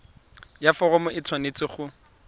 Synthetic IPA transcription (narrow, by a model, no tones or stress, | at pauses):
jafɔɣɔmʊʔɪt͡sʰwanet͡sɪχʊ